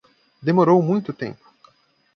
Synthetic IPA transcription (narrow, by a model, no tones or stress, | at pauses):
d̪emoɾowmũj̃t̪ʊt̪ḛ̃mpʊ̥